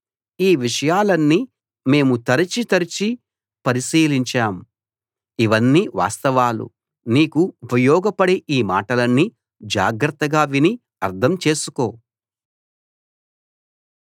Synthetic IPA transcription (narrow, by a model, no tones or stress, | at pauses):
iːʋiʂɐjaːlɐnːi | me̞ːmut̪ɐɾɐt͡ʃit̪ɐɾit͡ʃi | pɐɾiʃiːliɲt͡ʃaːm | iʋɐnːiːʋa̰ːst̪ɐʋaːlṵ | niːkuupɐjɔːɡɐpɐɽeʔiːma̰ːʈɐlɐnːi | d͡ʒa̰ːɡɾɐt̪ːɐɡaːʋini | ɐɾd̪ʰʱɐmt͡ʃe̞ːsuko̞ː